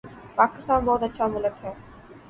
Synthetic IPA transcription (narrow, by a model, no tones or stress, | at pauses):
paːkɪst̪ãːnbɔːt̪ətːʃʰamʊləkɦɛ̃ː